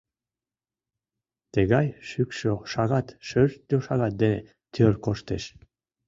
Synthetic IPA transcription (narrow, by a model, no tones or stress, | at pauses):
t̪eɣɑjʃykʃøʃɑɣɑt̪ʃøʃt̪oʃɑɣɑt̪̚d̪ene | t̪øɾkoʃt̪eʃ